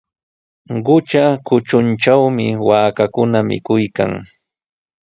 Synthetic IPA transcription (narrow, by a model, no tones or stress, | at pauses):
ɢʊt͡ʃakʊt͡ʃʊnt͡ʃawmɪwaːkakʊnamɪ̰kʊjka̰ŋ